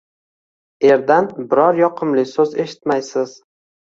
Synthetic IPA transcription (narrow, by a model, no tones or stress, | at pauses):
e̞ɾd̪anbɪɾɒɾjɒqʰɨmlɪsɵze̞ʃɪ̥t̪majsɪz̥